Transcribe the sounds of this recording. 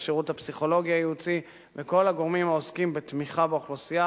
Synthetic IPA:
ʃeʁut̪apsiχo̞lo̞ɡiajut͡si | veko̞laɡo̞ʁmimaoskimbet̪miχabeaχlosija

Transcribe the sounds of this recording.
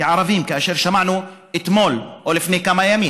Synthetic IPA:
kaʕɑɾˤɑviːmkaʔaʃiːɾʃamaʕnuʔɪt̪moːlʔoːlɪfneːkamajamiː

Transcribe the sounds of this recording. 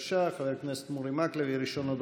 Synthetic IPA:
ʃaχavɛɾknɛst̪muɾimaklɛviɾiʃɔnod̪

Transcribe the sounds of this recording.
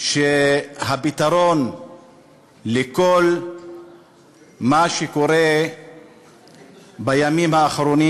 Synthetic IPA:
ʃeɦabit̪aʁo̞n | leko̞l | maʃeko̞ɾe̞ | bajamimhaːχɾo̞ni

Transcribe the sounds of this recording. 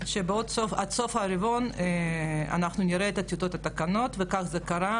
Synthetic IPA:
ʃebeod̪sofad̪sofhaɾivonea̰naχnuniɾeet̪at̪jut̪ot̪at̪akano̞t̪vekaχzekaɾa

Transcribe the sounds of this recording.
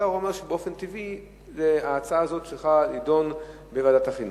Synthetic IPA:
aʁuomeʁʃebeo̞fe̞nt̪ivi | zeaːt͡saaːzo̞tt͡ʃelχalido̞n | bevadataχin

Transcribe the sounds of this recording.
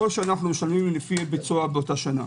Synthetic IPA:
olʃeanaχnumeʃalmimlefibit͡suabeotaʃana̰

